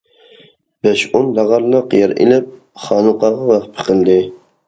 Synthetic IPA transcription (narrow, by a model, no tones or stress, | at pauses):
b̥ɛʃonlɑʁɑɾnɑqʰijɑɾḛlɪp̚ | χɑːnuqɑʁɑwɑχpʰə̥qəld̪ɪ